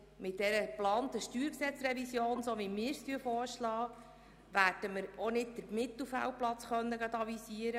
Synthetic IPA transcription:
mɪt̚d̥ɛɾəplɑːnt̪əʃtyːɾksɛt͡srɛvisjoːnsoʋimɪːɾst̪yəfɔːɾʃlɑː | ʋæːrd̥əməɾonɪd̚d̥̪əɾmɪt̪l̩ˠfæ̰wplɑt͡sχœnːəɡɑt̪ɑvisiəɾə

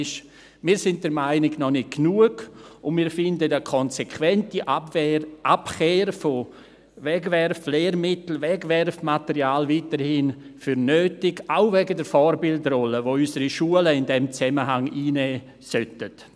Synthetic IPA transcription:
ʃ | miːɾsɪnt̚dɛɾmaɪnɪɡnɔnɪt̚ɡnuəɡʊnmiːɾfɪndədəkʰɔnsekʰvɛntiʔ | ʔapxeːɾfo | vɛɡvɛɾfleːɾmɪtl̩vɛɡvɛrfmatəɾiaːlviːtəɾhɪnfyɾnøːtɪɡaʊvɛɡədɛɾfɔɾbɪldrɔləvoysəɾiʃuələɪndɛmt͡sɛməɦaŋiːnɛː | sœtət

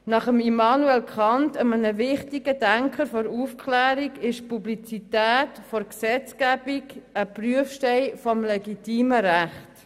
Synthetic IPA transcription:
nɑχəmimɑːnuɛlkχɑntəmənəʋɪχtiɡ̥ədæŋkʰəɾfɔɾufkʰχlæːɾiɡɪʃpublit͡sitæːtfɔɾksɛt͡skæbiɡəpryəfʃtɛɪfɔmlɛɡitiːməɾæχt

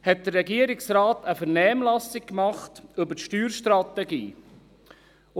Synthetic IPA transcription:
hɛt̚d̥̪əɾːɛɡiəɾɪksɾaːtəfəɾnɛːmlɑsɪkkmɑχtɵbətʃtyːɾʃtɾɑt̪ɛɡḭː

